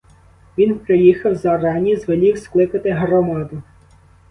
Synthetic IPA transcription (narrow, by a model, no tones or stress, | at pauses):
ʋʲinpɾɪjixɐwzɐrɑnʲizʋelʲiwsklˠɪkɐt̪ɪɦrɔmɑd̪ʊ